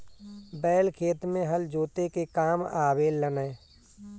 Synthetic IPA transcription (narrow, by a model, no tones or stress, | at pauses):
bɛːlkʰeːt̪mẽɦəld͡ʒoːt̪ekekaːmaːʋeːlːəneː